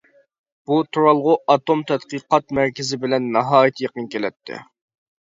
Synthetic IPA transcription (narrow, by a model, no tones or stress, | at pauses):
b̥ut̪ʰuɾɑlˠʁʊʔɑt̪omt̪ʰɛt̪qəqɑt̪mæɾkʲɪzɪbɪlɛnːɑɦɑːjit̪ʰɨjeqənkʲelɛt̪ʰːɪ̰